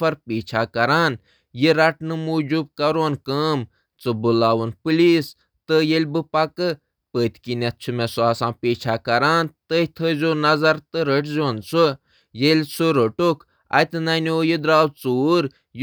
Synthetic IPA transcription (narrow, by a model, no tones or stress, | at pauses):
fɐɾpiːt͡ʃʰaːkɐɾaːn | jiɾɐʈnɨmuːd͡ʒub̚kɐɾoːnkəːm | t͡sɨbɨlaːʋunpɨliːs | t̪ɨjelʲbɨpɐkɨ | pəːt̪ʲkinʲɐt̪̚t͡ʃʰumesuaːsãːpeːt͡ʃʰaːkɐɾaːnt̪əit̪ʰəzʲoːnɐzɐɾt̪ɨɾəʈzʲoːnt͡su | jelʲsɨɾəʈukʰ | ɐ̰t̪ɨnɐnoːjid̪ɾaːwt͡suːɾ | j